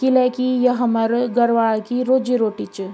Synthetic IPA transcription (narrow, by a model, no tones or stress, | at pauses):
kilɛkijəɦɐməɾɡəɾʋaːɭkiɾoːd͡ʒiɾoːʈit͡ʃ